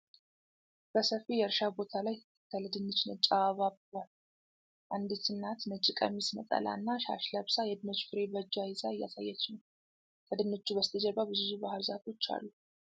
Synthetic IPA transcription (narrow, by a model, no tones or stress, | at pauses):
b̥əsəfijɛɨɾʃabo̞t̪ʰalaj | k̪ʰələd̪ɨnːɨt͡ʃnət͡ʃʼaaβabal | ʔand̪it̪ɨnːat̪nət͡ʃʼːɪkʼə̰misnə̰t̪ʼə̰lʔa̰nːaʃa̰ʃləβsajɛd̪ɨnɨt͡ʃfɨɾebəd͡ʒːajɪzaɨjːa̰sa̰jːɛt͡ʃːnəw | kʰəd̪ɨnːɨt͡ʃːubəst̪ʰəd͡ʒɛβaβɨzizubahɨlzat̪ʰot͡ʃːa̰lːu